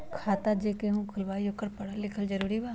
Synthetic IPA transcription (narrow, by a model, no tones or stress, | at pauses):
kʰaːt̪ad͡ʒeːkeɦũkʰʊlʋaːiokɐɾpɐɽalɪkʰəld͡ʒɐɾuːɾibaː